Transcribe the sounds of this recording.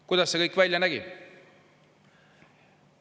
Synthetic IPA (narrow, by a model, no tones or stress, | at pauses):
kujd̪ɑsːekɤjkːˑvælʲjɑnæɡi